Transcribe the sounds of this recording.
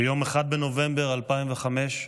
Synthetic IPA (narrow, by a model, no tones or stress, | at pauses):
jo̞meχad̪̚beno̞ve̞mbeʁalpaimveχame̞ʃ